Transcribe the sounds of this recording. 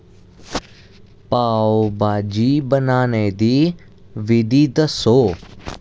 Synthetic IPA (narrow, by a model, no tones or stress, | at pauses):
paːobaːd͡ʒiːbənaːned̪iː | ʋɪd̪iːd̪soː